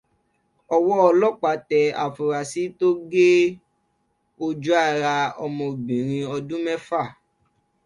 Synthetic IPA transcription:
ɔ˧wɔ˦ɔ˧lɔ˦k͡pa˨˦tɛ˧a̰˨fu˨ɾa˨si˨˦to˦ɡe˦ | o˧d͡ʒu˦a˦˨ɾa˧ɔ̰˧mɔ̃˧˨bĩ˨ɾ̃ĩ˧ɔ˧dũ˦mɛ˦fa˦˨

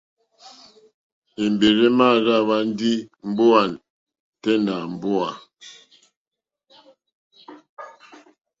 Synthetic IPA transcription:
e˨m˨be˨ɾe˦ma˦˨ɣa˦βa˦n˦di˦m̩˦bo˦a˨n | tɛ˦na˨m̩˨bo˦a˨

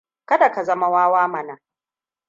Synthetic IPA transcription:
kɐ˦da˨ka˨zɐ˦ma˦waː˦waː˦mɐ˨na˨

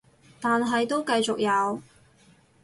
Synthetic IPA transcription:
t̪aː˨nɦɐ˨jt̪o˥wkɐ˧jt͡sʊ˨k̚jɐ˨˧w

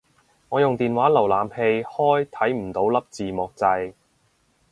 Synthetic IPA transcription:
ŋɔː˨˧jʊ˨ŋt̪iː˨nwaː˨˥lɐ˨˩wlaː˨mhe˧jhɔː˥jt̪ʰɐ˨˥jm̩˨˩t̪o˨˥wlɐ˥p̚t͡siː˨mɔː˨k̚t͡sɐ˧j

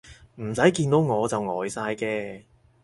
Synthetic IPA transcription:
m̩˨˩sɐ˨˥jkiː˧nt̪o˨˥wŋɔː˨˧t͡sɐ˨wŋɔː˨jsaː˧jkɛː˧

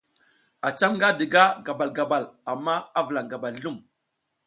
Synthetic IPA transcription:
a˨t͡ʃa˦ŋŋɡa˦di˨ɡa˦ɡa˨ba˨lɡa˨ba˨la˨mːa˦a˦və˨la˨ŋɡa˨ba˨lːu˦˨m

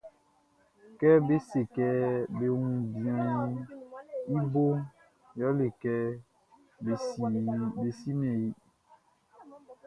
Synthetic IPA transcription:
kɛ˦be˦se˨kɛ˦be˨wũ˨bi˨ã˨˦ | i˦bo˦ | jɔ˦le˨kɛ˦˨ | be˨si˦ne˨i˦

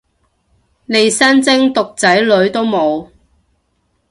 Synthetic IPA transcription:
ne˨˧jsɐ˥nt͡sɪ˥ŋt̪ʊ˨k̚t͡sɐ˨˥jlɵ˨˧ɥt̪o˥wmo˨˧w

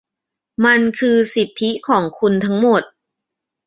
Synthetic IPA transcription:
ma˧nkʰɯː˧si˨˩t̪ʰːi˦˥kʰɔː˩˦ŋkʰu˧nt̪ʰa˦˥ŋmo˨˩t̪̚

